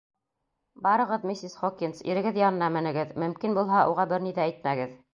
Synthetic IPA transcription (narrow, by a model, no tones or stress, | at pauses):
bɑɾɤ̆ʁɤðmisisχokinsḭɾɘ̆ɡɘðjɑnɤ̆nɑmɘ̆nɘ̆ɡɘðmɵ̆mkinbulˠɦɑuʁɑbɘɾniðææjt̪mæɡɘð